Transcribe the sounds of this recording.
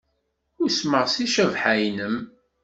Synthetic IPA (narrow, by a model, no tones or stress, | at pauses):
ʊɾsməʁsiʃævħæjnəm